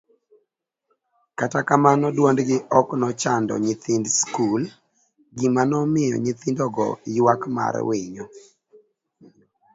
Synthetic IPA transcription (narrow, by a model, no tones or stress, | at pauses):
katakamanɔdwondɡɪʔɔknɔt͡ʃandɔ̰ɲɪt̪indskul | ɡɪmanɔmɪjɔ̰ɲɪt̪indɔɡɔ̰jwakma̰ɾwiɲɔ